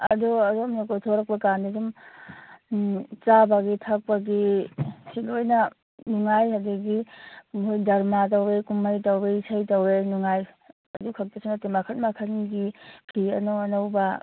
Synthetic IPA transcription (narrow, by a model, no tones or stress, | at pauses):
ɐ̰dɔɐdɔmokotʰoɾɐk̚pɐkandidum | t͡ʃabaɡitʰak̚paɡisilojnɐ | nuŋajɦadeɡimhojdɐɾmat̬ɐwɾekumːajtawɾesajtɐwɾenuŋaj | ɐdukʰɐk̚tesiŋnatemakʰɐtmakʰɐnɡipʰiɐ̰nowɐnawba